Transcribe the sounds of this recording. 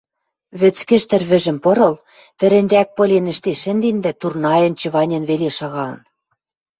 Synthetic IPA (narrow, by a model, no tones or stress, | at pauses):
βɘ̆t͡skɘ̆ʃt̪ɘ̆rβɘ̆ʒɘ̆mpɤ̆ɾɤ̆l | t̪ɘ̆ɾɘ̆nʲd̪ʲæk̚pɤ̆lʲenɘ̆ʃt̪eʃɘ̆nd̪end̪æt̪urnɑjɤ̆nt͡ɕɤ̆βɑnʲĕnβeleʃɑɣɑlɤ̰̆n